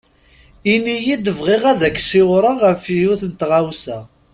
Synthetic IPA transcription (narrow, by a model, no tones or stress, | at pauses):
inːijid̪əvʁɪʁæðækːsɪwɾˤɑʁəfjʊθənt̪ʁawsæ